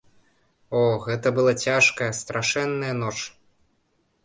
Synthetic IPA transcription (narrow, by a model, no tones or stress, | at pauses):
ɔɣɛt̪ɐbɨlˠat͡sʲaʂkɐjɐst̪ɾʔaʂɛnːɐjɐnɔt͡ʂ